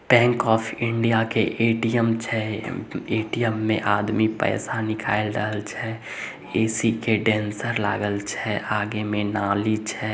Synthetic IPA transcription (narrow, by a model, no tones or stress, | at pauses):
pɛ̃ːŋkɔːpʰɪ̃ɳɖijakeʔeːʈijəmt͡ʃʰɛ | eːʈijəmːẽʔaːd̪mipɛ̰ːsanɪkʰa̰ːɪlɾə̰ɦəlt͡ʃʰɛ | eːsikeɖɛ̃ːnsəɾla̰ːɡəlt͡ʃʰɛaːɡemẽnaːlit͡ʃʰɛ